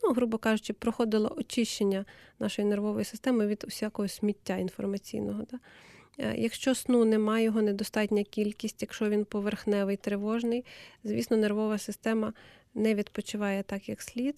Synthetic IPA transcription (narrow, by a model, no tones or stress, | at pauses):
nuɦɾubɔkɑʒʊt͡ʃɪpɾɔxɔd̪ɪlˠɔ̰ʔɔt͡ʃɪʃt͡ʃenʲːɐnɑʃɔjinerʋɔʋɔjisɪ̥st̪ɛmɪʋʲid̪ʊsʲakɔɦɔsʲmʲitʲːainfɔrmɐt͡sʲḭjnɔɦɔd̪ɑ̰ | jɐkʃt͡ʃɔsnunɛmɑjjɔɦɔned̪ɔst̪ɑtʲnʲɐkʲilʲkʲisʲtʲjɐkʃt͡ʃɔʋʲinpɔʋerxnɛʋɪjt̪ɾeʋɔʒnɪjzʋʲisnɔnerʋɔʋɐsɪst̪ɛmɐ | nɛʋʲid̪pɔt͡ʃɪʋɑjɛt̪ɑkjɐksʲlʲit̪